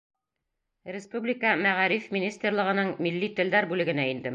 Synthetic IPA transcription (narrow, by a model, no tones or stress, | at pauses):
ɾʲɪspublʲɪkəmæʁæɾifmʲinʲist̪erlˠɤ̆ʁɤ̆nɤɴmilːit̪ɘ̆ld̪æɾbʉlɘ̆ɡɘ̆næind̪ɘ